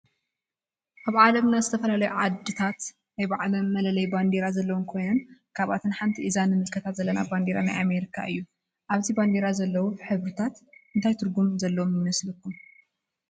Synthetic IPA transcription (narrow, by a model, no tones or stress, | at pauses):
ʔaβʕalɐmnazɨt̪ʰɐfɐlalɐjuʕad̪ːɨt̪ʰat̪ | najbaʕlɐmːɐlɐlɐjband̪eɾazɐlːɐwɔnkʰo̞jnɐnkʰaβat̪ʰɨnħant̪ʰiʔizanːɨmɨlkʰɐt̪ʰat̪zɐlːɐnaband̪eɾana̰jʔame̞ɾikʰa̰ʔɨjːu | ʔaβziband̪eɾazɐlːɐwuħɨβɾɨt̪ʰat̪ʔɨnt̪ʰajt̪ʰɨɾɡumzɐlːɐwomjɪmɐslɨkːum